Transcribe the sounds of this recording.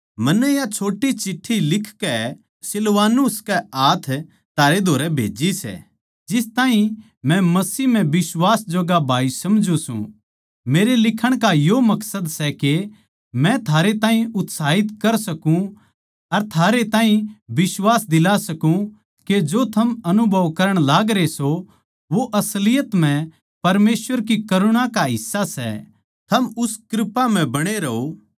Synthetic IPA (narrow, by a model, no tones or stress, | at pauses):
mɐnːɛjat͡ʃʰoːʈit͡ʃɪʈʰːilɪkʰkɛ | sɪlʋaːnuskɛaːt̪ʰ | t̪ʰaːɾed̪ʱoːɾɛbʱḛːd͡ʒisɛ̰ | d͡ʒɪst̪aːĩ | mɛ̃mɐsiːɦm̤ɛ̃bɪswaːsd͡ʒoɡabʱaːisɐmd͡ʒusṵ̃ | meːɾelɪkʰəɽ̃kajomɐksəd̪sɛke | mɛ̃t̪ʰaːɾet̪ãːɦĩʊt̪saːɦɪt̪kɐɾsɐkũ | ɐɾt̪ʰaːɾet̪ãːɦĩbɪswaːsd̪ɪlasɐkũ | ked͡ʒot̪ʰɐmɐnubʱɐʋkɐɾəɽ̃laːɡɾeso | ʋoʔɐslɪjət̪m̤ɛ̃ | pɐɾmeːswəɾkikɐɾʊɽ̃akaɦɪsːasɛ̰ | t̪ʰɐmʊskɾɪpam̤ɛ̃bɐɽ̃eɾɐo